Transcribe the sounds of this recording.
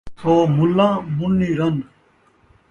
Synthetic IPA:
t̪ʰoːmulːãːmunːiːɾɐn

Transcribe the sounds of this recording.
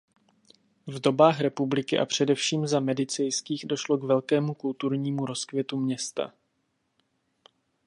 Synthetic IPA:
vdo̞baːxɾɛpublɪkɪʔa̰pr̝̥ɛdɛfʃiːmzamɛdɪt͡sɛjskiːɣdo̞ʃlo̞ɡvɛlkɛːmukult̪uɾɲiːmuɾo̞skvjɛt̪umɲɛst̪a̰

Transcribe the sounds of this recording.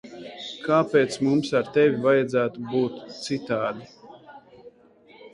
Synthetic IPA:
kʰaːpeːt̪smumsaɾt̪ɛvʲivajad̪zæːt̪ubuːt̪t̪sit̪aːd̪i

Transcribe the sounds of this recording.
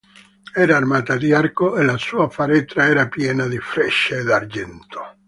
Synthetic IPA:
ɛːɾaːrmaːt̪ad̪iarkoelasuːafaɾɛt̪ɾaɛːɾapjɛːnad̪ifɾɛʃeed̪ard͡ʒɛnt̪o̥

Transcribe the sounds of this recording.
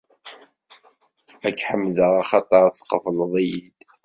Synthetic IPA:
ækːħəmːðəʁɑχɑt̪ˤɑɾˤθqːəfəlðˤijid̪̥

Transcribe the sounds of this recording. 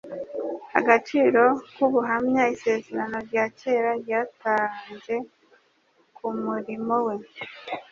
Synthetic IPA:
ha̰ɡat͡ʃiːɾo̞kuβuɦamɲaise̞ːzeɾano̞ɾɟaːce̞ːɾaɾjataɾanze̞ | kʰumuɾimo̞we̞

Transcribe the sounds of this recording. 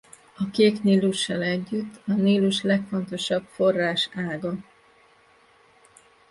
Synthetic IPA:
ɒkeːkniːluʃːɛlɛɟːyt̪ʰːɒniːluʃlɛkfo̞nt̪o̞ʃɒbfo̞rːaːʃaːɡɒ

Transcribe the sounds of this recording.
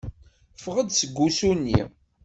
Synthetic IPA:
fʁəd̪səɡʷːusunːḭ

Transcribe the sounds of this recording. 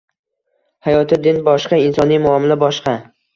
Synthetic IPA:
hajɒt̪ʰɪd̪ɪnbɒʃqɑɪnsɒnijmʊamɪlabɒʃqɑ

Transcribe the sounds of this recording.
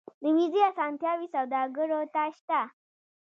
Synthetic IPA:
d̪əmiziasɑnt̪jɑwisawd̪ɑɡəɾot̪aʃt̪a

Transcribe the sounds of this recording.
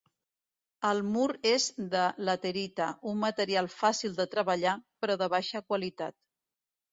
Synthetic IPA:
əlˠmuɾezd̪ələt̪əɾit̪əʔumːət̪əɾialˠfasilˠd̪ət̪ɾəβəʎapɾɔðəβaʃəkwəlit̪a̰t̪̚

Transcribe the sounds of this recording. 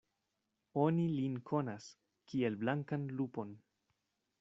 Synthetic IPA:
onilinkʰo̞nas | kie̞lblaŋkanlupo̞n

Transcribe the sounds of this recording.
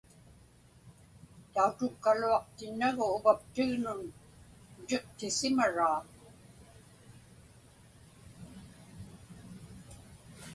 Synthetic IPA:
t̪aut̪ʊkːaluɑqt̪ɪnːaɣʊːvap̚t̪ɪɣnʊn | ʊte̞qt̪ɪsɪmaɻaː

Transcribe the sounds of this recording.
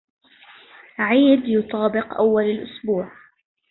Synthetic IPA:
ʕiːd̪jʊt̪ˤɑːbɪqʔawːalalʔʊsbuːʕ

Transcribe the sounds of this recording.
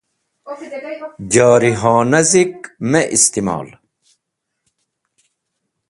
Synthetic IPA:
d͡ʑaːɾiɦɑ̃ːnɐzikmeʔist̪imɑ̰ːl

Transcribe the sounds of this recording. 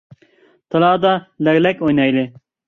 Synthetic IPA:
t̪ɐlaːd̪alɐɣlɐkojnajle

